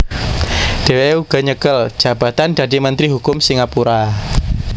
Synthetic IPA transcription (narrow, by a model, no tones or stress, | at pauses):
ɖ̥e̤weuɡ̥a̤ɲəkəl̥d͡ʒ̥ä̤ba̤t̪and̪a̤dimənt̪ɾiɦukʊmsiŋapuɾa